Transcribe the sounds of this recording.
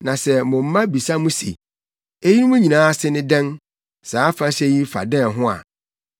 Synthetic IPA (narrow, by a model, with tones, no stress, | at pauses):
nã˨sɛ˨mʊ̃˨m̩˦mã˦bi˨sa˦mũ˦sḛ˨ | e˦ji˦nũ˦mũ˦ɲĩ˨nãː˨˦a˦sɪ˦nɪ̃˦dɛ̃˦n | saː˨˦fa˦ɕɛ˦ji˦fa̰˨dɛ̃˦˨ɦʊ̃˦a̰˨